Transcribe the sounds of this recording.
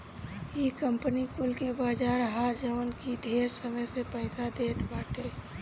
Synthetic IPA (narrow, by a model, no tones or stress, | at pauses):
jekəmpənikʊlkebaːd͡ʒaːɾɦaːɾd͡ʒəʋənkid̪ʱeːɾsəməjsepəɪsad̪eːt̪baːʈeː